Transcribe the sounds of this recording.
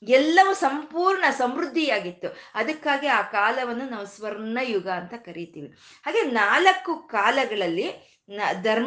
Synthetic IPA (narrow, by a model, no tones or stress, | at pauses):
ɛlːɐʋusɐmpuːɾɳɐsɐmɾud̪ʱːijaːɡit̪ːuɐd̪ɐkːaːɡiaːkaːlɐʋɐnːunaːʋusʋɐɾɳɐjuɡɐːnt̪ɐkɐɾit̪iːʋi | ɦaːɡe̞ːnaːlɐkːukaːlɐɡɐɭɐlːi | nd̪ʱɐɾ